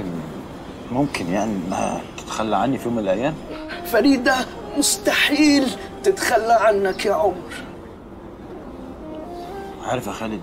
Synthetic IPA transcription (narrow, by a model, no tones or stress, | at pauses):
ɪn | mʊmkɪnjaʕniʔnːæ̰ht̪ɪ̥t̪xalːaʕanːifijoːmɪlʔæjːæːmfaɾiːd̪a | mʊst̪aħiːl | t̪ɪt̪xalːaʕanːakjaʕʊmɾ | ʕa̰ɾˤɑfʔæxæːlɪ